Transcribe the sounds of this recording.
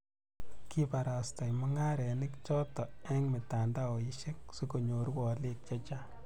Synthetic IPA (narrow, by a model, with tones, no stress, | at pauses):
ki˦pa˨ɾa˨sta˨jmɔ˦ŋa˦ɾɛ˨nɪ˦kt͡ʃɔ˦tɔ˨ɛ˦ŋmɪ˨ta˨nda˦o˨i˦ʃe˦k̚su˦ko˨ɲo˨ɾwɔ˨˦lek̚t͡ʃa˦t͡ʃa˦